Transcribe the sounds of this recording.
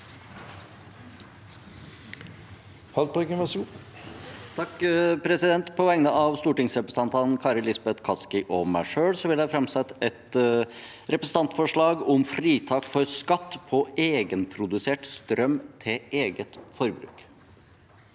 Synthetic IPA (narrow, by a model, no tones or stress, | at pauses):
hɑlt̪̚pʰkəmɑsu | t̪ʰɑkpʰɾɛsɪd̪ɛnt̪pʰɔʋɛŋnəʔɑʋst̪uːʈɪŋsɾɛpɾəsəɑnt̪ʰɑnnkʰɑːɾəlɪsbɛt̪kʰɑskɪʔɔmæɪʂøːɽsɔʋɪlæfɾɑmsɛt̪ːɛt̪ | ɾɛpɾəsən̩t̪ɑnt̪fɔʂɭɑːɡɔmfɾiːt̪ʰɑːkfɔɾskɑt̪ːpʰɔeːɡənpʰɾʊd̪ʉseːʈst̪ɾœmt̪ʰɪeːɡət̪fɔɾbɾʉ̰ːk